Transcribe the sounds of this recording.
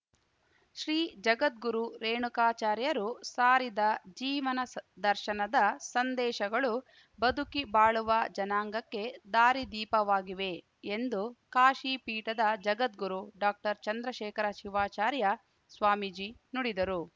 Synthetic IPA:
ʃɾiːd͡ʒɐɡɐt̪̚ɡuɾuɾeːɳukaːt͡ʃaːɾjɐɾusaːɾid̪ɐd͡ʒiːʋɐnɐd̪ɐɾʃɐnɐd̪ɐsɐnd̪ɛːʃɐɡɐɭu | bɐd̪ʱukibaːɭuʋɐd͡ʒɐnaːŋɡɐkːe̞d̪aːɾid̪iːpɐʋaːɡiʋe̞ | end̪ukaːʃiːpiːʈɐd̪ɐd͡ʒɐɡɐt̪̚ɡuɾuɖaːk̚ʈɐɾt͡ʃɐnd̪ɾɐʃɛːkɐɾɐʃiʋaːt͡ʃaːɾjɐ | sʋaːmid͡ʒiːnuɽid̪ɐɾu

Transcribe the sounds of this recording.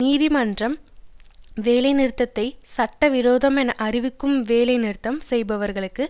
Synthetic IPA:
niːðimɐndrɐm | ʋeːlɐɪnɪɾt̪ːɐt̪ːɐɪsɐʈːɐʋɪɾoːðɐmɛnɐʔɐrɪʋɪkːɯmʋeːlɐɪnɪɾɯt̪ːɐmsɛjbɐʋɐɾɣɐɭɯkːɯ

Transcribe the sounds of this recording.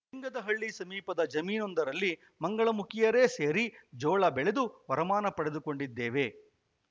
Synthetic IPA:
iŋɡɐd̪ɐɦɐɭːisɐmiːpɐd̪ɐd͡ʒɐmiːnond̪ɐɾɐlːi | mɐŋɡɐɭɐmukʰɪjɐɾe̞ːse̞ːɾid͡ʒɔːɭɐbɛɭed̪uʋɐɾɐmaːnɐpɐɽed̪uko̞ɳɖid̪ːeːʋe̞

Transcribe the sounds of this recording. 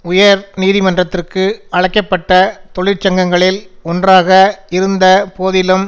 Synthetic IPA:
ʊjɐɾniːðɪmɐndrɐt̪ːɪrkɯɐɻɐɪkːɐpːɐʈːɐt̪ɔɭɪɾt͡ʃɐŋɡɐŋɡɐɭɪlɔndraːɣɐɪɾɯnd̪ɐpoːðɪlɯm

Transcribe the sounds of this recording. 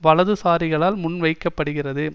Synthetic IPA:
ʋɐɭɐðɯsaːɾɪɣɐɭaːlmʊnʋɐɪkːɐpːɐɽɯɣɪrɐðɯ

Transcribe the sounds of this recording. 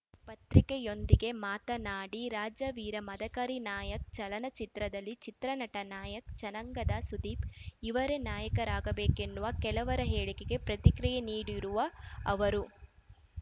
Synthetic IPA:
pɐt̪ɾikejo̞nd̪iɡe̞maːt̪ɐnaːɽiɾaːd͡ʒɐʋiːɾɐmɐd̪ɐkɐɾinaːjɐk̚t͡ʃɐlɐnɐt͡ʃit̪ɾɐd̪ɐlːit͡ʃit̪ɾɐnɐʈɐnaːjɐkt͡ʃɐnɐŋɡɐd̪ɐsud̪iːpiʋɐɾe̞naːjɐkɐɾaːɡɐbeːkenːuʋɐkɛlɐʋɐɾɐɦeːɭikeɡe̞pɾɐt̪ikɾijeniːɽiɾuʋɐːʋɐɾu

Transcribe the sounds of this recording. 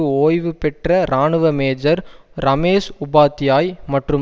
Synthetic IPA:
ɯoːjʋɯpɛʈrɐɾaːɳɯʋɐmeːd͡ʒɐɾ | ɾɐmeːʂʊbaːt̪ːɪjaːjmɐʈrɯ

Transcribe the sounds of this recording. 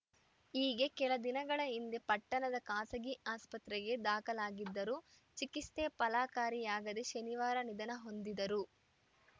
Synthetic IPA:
iːɡe̞kɛlɐd̪inɐɡɐɭɐind̪epɐʈːɐnɐd̪ɐkaːsɐɡiaːspɐt̪ɾɛɡe̞d̪aːkɐlaːɡid̪ːɐɾu | t͡ʃikist̪epɐlaːkaːɾijaːɡɐd̪e̞ʃɐniʋaːɾɐnid̪ɐnɐɦo̞nd̪id̪ɐɾu

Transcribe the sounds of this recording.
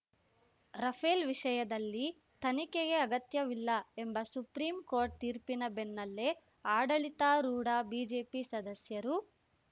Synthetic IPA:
ɾɐpʰeːlʋiʂɐjɐd̪ɐlːi | t̪ɐnikeɡe̞ɐɡɐt̪jɐʋilːɐembɐsupɾiːmkoːɾʈ̚t̪iːɾpinɐbenːɐlːe̞ | aːɖɐɭit̪aɾuːɽaːbiːd͡ʒeːpisɐd̪ɐsjɐɾu

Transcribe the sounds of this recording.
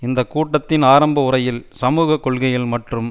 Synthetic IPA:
ɪnd̪ɐkːuːʈːɐt̪ːɪnaːɾɐmbɐʊɾɐjɪlsɐmuːɣɐkːɔɭɣɐjɪlmɐʈrɯm

